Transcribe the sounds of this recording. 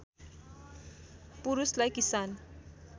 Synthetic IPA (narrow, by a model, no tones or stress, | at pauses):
puɾuslajkisan